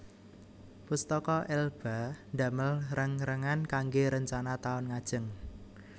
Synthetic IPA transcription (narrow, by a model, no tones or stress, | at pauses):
pust̪ɔkɔʔɛlb̥a̤nda̤məlrəŋrəŋankaŋɡeɾəɲt͡ʃanat̪aʊnŋad̥ʒ̥ə̤ŋ